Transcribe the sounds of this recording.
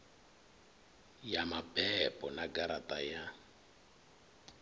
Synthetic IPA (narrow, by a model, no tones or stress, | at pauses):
jamabɛpʼɔnaɡaɾatʼaja